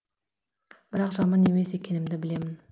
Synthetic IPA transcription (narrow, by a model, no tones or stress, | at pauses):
b̥ɪɾɑqʒɑmɑne̞me̞se̞kʲe̞nɪmd̪ɪbɪle̞mɪn